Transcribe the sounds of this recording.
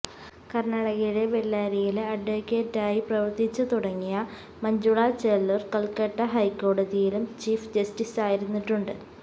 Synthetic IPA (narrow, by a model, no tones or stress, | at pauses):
kɐrɳɐɽɐɣiɽe̞ʋelːaːɾijilɐɖʋokːeːtːaːjiprɐʋɐrt̪it͡ɕːɨt̪uɽɐŋːijɐ | mɐɲd͡ʑuɭɐt͡ɕelːɐrkɐlkɐʈːɐɦɐjkːo̞ːɽɐðijilumt͡ɕiːfd͡ʑɐstisaːjiɾunːiʈːuɳɖɨ